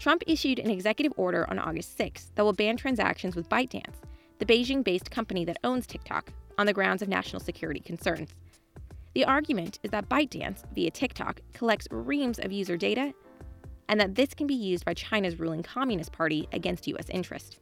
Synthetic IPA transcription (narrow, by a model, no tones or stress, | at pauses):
tʰɹ̥ʌ̃mpɪʃʉɾɨ̰̃nɨɡzɛkjɨɾɨvɔɹɾə̰˞ʔə̰̃nʔɔ̰ɡɨstsɪksðɨt̚wəlˠbæ̃ntʰɹ̥æ̃nzæ̰kʃɨ̃n̩zwɨðbaɪt̚d̥æ̰̃ns | ðɨbeɪd͡ʒɪ̃ŋbeɪskʰʌ̃mpɨniðɨɾõʊ̃nz̥tʰɪk̚tʰɑ̰kn̩ðɨɡɹãʊ̃ndzʌvnæ̰ʃn̩l̩ˠsɨkʰj̥ʊɹɨɾḭkʰn̩sɜ̃˞nz̥ | ðiʔɑɹɡjɨmɨ̃ntɨzðɨt̚b̥aɪt̚d̥æ̰̃nsviɨtʰɪk̚tʰɑ̰kʰːəlɛk̚tsɹĩmzʌ̰vjʉzə˞deɪɾɨ | ʔɨ̃nðɨt̪̚ðɪskʰɨ̃n̩bijʉzbaɪt͡ʃʰãɪ̃nɨzɹulˠɪ̃ŋkʰɑmjɨnɨspʰɑɹɾiʔɨ̰ɡɛ̃nst̚jʉ̰ɛ̰sɪ̰̃nt͡ʃɹ̥ɨ̰st